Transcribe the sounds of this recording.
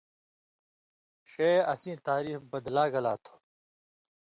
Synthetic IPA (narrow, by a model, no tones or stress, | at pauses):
ɕeɐsĩːt̪aːɾiːfbɐd̪laːɡɐlaːt̪ʰo̥